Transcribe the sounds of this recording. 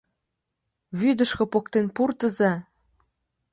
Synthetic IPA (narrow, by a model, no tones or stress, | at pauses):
βyd̪ə̆ʃkɤ̆pok̚t̪enpurt̪ə̆zæ